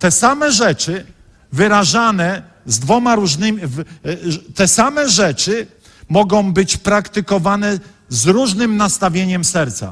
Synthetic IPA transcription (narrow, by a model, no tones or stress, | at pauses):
t̪ɛsamɛʐɛt͡ʂɘ | vɘɾaʐanɛ | zd̪vɔmaɾuʐnɘmʲv | t̪ɛsamɛʐɛt͡ʂɘ | mɔɡɔ̃w̃bɘt͡ɕpɾakt̪ɘkɔvanɛ | zɾuʐnɘmnast̪avʲjeɲɛmsɛɾt̪sa̰